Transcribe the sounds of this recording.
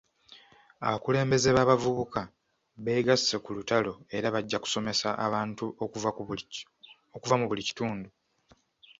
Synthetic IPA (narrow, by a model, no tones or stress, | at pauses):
a̰βakule̞ːmbe̞ze̞βaːβavuβuka | βe̞ːɡasːekulutalo̞e̞ɾaβaɟːaku̥so̞me̞saʔaβaːntu | okuvamuβulici̥tuːndu